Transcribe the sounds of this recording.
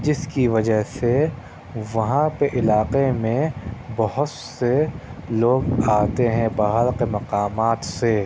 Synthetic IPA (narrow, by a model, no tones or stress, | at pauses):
d͡ʒɪskiʋɐd͡ʒəɦse | ʋɐɦãpeʔɪlaːqemẽbɐɦʊt̪seloːɡaːt̪eɦɛ̃baːɦəɾqemɐqaːmaːt̪se